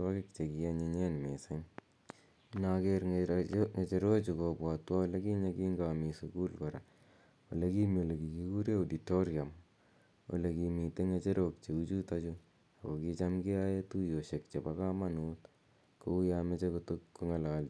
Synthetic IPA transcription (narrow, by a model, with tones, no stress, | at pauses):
tɔkɪk̚t͡ʃe˨ki˨jaɲeɲe˦nmese˦ŋ | nakeɾŋe˨t͡ʃe˨ɾo˦t͡ʃu˨kopwa˨twa˦wɔle˦ki˦ɲa˦kiːŋɡamisuku˦lkɔɾa̰ | wo̰le˦ki˦mio˨le˨ki˨ki˦ku˦ɾje˦uditoɾjam | wo̰˨lekimi˨te˦ŋet͡ʃe˦ɾokt͡ʃe˨u˦t͡ʃu˦ta˦t͡ʃu | a˨ko˨kit͡ʃamki˦aje˦tujo˨ʃe˨kt͡ʃe˨pakama˦nuːt | ko˦u˦jame˦t͡ʃekutukːoŋa˨laːl